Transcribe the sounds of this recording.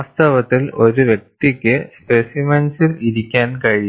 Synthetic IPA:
st̪ɐʋɐt̪ːilo̞ɾuʋjek̚t̪ikʲːɨspesimɐnsiliɾikʲːaːnkɐɻi

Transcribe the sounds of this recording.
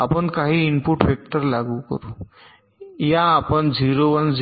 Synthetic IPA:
apənkaɦiːnpuʈpek̚ʈəɾlaɡukə̰ɾu | jãːpənd͡ziɾoʋənd͡z

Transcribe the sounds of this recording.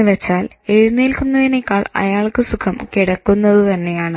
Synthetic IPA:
ɨʋet͡ɕːaːl | e̞ɻunːeːlkunːɐðinekːaːɭɐ̰jaːɭkɨsukʰɐmkiɽɐkːunːɐðɨt̪ɐnːe̞jaːɳɨ

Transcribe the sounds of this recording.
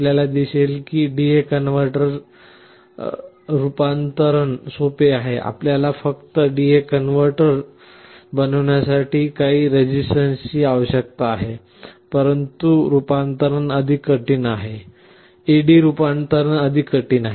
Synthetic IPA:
aljalad̪iselkiːɖiekənʋəɾʈəɾ | ɾupant̪əɾəɳsopeaɦeʔa̰pljalafəkt̪əɖiekənʋəɾʈəɾ | bənəʋɳjasaʈiːkaɦiːɾed͡ʑisʈənsiːaʋəɕək̚t̪aːɦe | pəɾənt̪uɾupant̪əɾənəd̪ʱiːkəʈiːnaɦe | eɖiːɾupant̪əɾənəd̪ʱikəʈiːnaɦe

